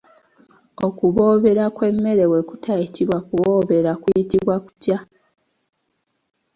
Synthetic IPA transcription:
o̞kuβo̞ːβe̞ɾakwe̞mːe̞ɾe̞we̞ku̥tʰaitiβwakuβo̞ːβe̞ɾakujitiβwaku̥tja

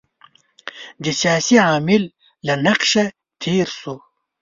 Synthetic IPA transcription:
d̪isaːsiʕaːmilː | ɐnɐqʃɐ | t̪ʰiːɾsu

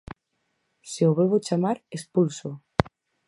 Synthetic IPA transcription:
seoβeβot͡ʃamaɾespulso

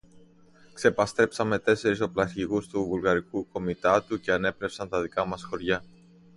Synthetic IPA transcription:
kse̞pɐst̪ɾe̞psɐme̞t̪e̞se̞ɾiso̞plɐçiɣust̪uvulɣɐɾikuko̞mit̪ɐt̪uce̞ɐne̞pɾe̞psɐnt̪ɐðikɐmɐsxo̞ɾʝɐ

